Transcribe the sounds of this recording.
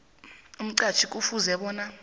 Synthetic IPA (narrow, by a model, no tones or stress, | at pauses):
um̩ǀḁt͡ʃʰikʼufuzɛɓɔːna